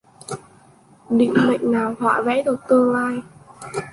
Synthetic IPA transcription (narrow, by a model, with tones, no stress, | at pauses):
ɗḭ˧˨ŋ̟mə̰˧˨jŋ̟naː˨˩whwa̰ː˧˨vɛ̰˧˥ɗɨ˨˩k̚t̪ɨ˧əŋlaː˧j